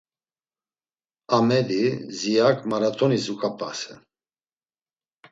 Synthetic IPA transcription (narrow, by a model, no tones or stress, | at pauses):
amɛd̪izijakʼmaɾat̪ʰʼɔnizukʼapʰʼasɛ